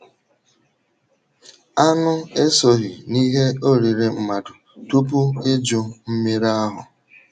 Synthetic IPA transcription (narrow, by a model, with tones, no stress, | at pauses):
a˦nʊ˦e˦so˨ɦi˨ni˦ɦe˦o˦ɾi˨ɾe˨m̩˦ma˨dʊ˨ | tu˦p̬u˦e˦d͡ʒʊ˨m̩˦me˦ɾa˦ɦʊ˨